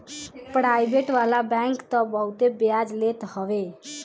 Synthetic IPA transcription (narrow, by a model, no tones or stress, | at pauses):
pɾajbeʈʋalabaŋkt̪əbəwt̪ebjad͡ʒlet̪həwe